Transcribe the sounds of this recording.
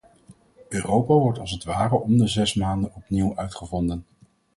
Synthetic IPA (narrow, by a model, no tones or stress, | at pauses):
øːrowpaːʋɔɹtɑlˠsətʋaːrəʔɔmdəzɛsmaːndənɔpniwœɥtχəvɔndən